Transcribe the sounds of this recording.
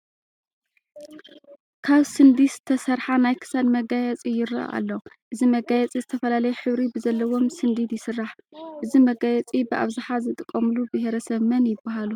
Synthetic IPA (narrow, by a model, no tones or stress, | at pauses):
kʰaβsɨnd̪isɨt̪ʰɐsɐɾħanajkʰɨ̥sad̪mɐɡajɛt͡sʼijɪɾɐ̰ʔa̰lːoʔɨzimɐɡajɛt͡sʼizɨt̪ʰɐfɐlalɐjɛħɨβɾibɨzɐlːɐwo̞msɨnd̪id̪jɪsɨrːaħʔɨzimɐɡajɛt͡sʼibɨʔa̰βzɨħazɨt̪ʼɨkʼːɐmlubɪɦɾɐsɐβmɐnjɪbːaɦalu